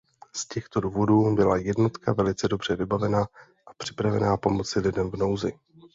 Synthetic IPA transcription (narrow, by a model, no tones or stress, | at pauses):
scɛxt̪o̞duːvo̞duːbɪlajɛdno̞t̪kavɛlɪt͡sɛdo̞br̝̥ɛvɪbavɛnaː | ʔapr̥ɪpɾavɛnaːpo̞mo̞t͡sɪlɪdɛmvno̞wzɪ